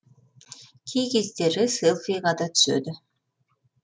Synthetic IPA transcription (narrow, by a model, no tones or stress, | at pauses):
kʲʰejkʲezd̪eɾɪselˠfijʁɑd̪ɑt̪ʰʏ̥sø̰d̪ɪ